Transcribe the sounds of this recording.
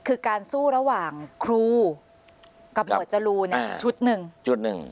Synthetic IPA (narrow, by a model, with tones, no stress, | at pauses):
kʰɯː˧kaː˧nsuː˥˩ɾa˧waː˨˩ŋkʰɾuː˧˩ | ka˧˩p̚no˧˨˩t̪̚t͡ɕa˨˧luː˧na˧˦˨t͡ɕʰu˦˥t̪̚nɯ˨˩ŋt͡ɕʰu˦˥t̪̚nɯ̰˨˩ŋ